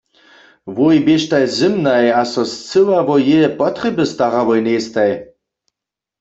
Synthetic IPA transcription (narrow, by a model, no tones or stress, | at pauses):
vojbeʃtajzɨmnajasɔst͡sɨwavɔjɛpɔt̪rɛbəst̪aʁavɔjnest̪aj